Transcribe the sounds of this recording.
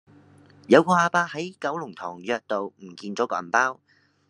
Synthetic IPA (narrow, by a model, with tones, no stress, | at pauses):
jɐ˨˧wkɔː˧aː˧paː˧˥hɐ˨˥jkɐ˨˥wlʊ˨˩ŋt̪ʰɔː˨˩ŋjœː˧k̚t̪o˨wm̩˨˩kiː˧nt͡sɔː˨˥kɔ̰ː˧˨˩npaː˥w